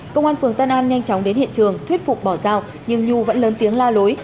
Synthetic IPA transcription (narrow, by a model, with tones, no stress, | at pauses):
kə˧wŋ͡mʔaː˧nfɨ˨˩əŋt̪aː˧nʔaː˧nɲa˧jŋt͡ɕɔ˨˦wŋ͡mɗe˨˦nhḭ˧˨nt͡ɕɨ˨˩əŋt̪ʰwi˦˥t̚fʊ˨˩k͡p̚ɓɔ˧˩zaː˧˩w | ɲɨ˧ŋɲu˧˩və̰˧˥nləː˨˦nt̪i˨˦əŋlaː˧lo˨˦j